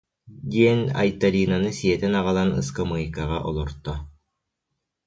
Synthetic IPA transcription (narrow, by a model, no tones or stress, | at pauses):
d̪ʲiɛnʲa̰jt̪alʲinanɯsijɛt̪ɛnaʁɯlˠanɯ̰skɯmɯjkaʁɑʔɔlˠɔɾt̪ːɔ